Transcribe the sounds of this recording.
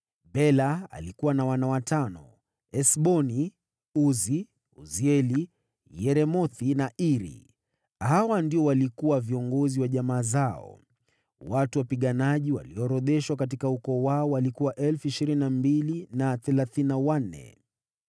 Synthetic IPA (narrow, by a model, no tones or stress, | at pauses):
bɛlaa̰likuwanawanawatanɔ̰ | ɛsɓɔni | uzi | ṵziɛli | jɛɾɛmɔθinaʔiɾḭ | ɦawandiɔwalikuwaviɔŋɡɔziwaʄamaːzaɔ̰ | watuwapiɠanaʄiwa̰liɔɾɔɗɛʃwakat̬ikaukɔːwaɔwalikuwaʔɛlfuiʃiɾininambilinaθɛlaθinawan̩ːɛ̰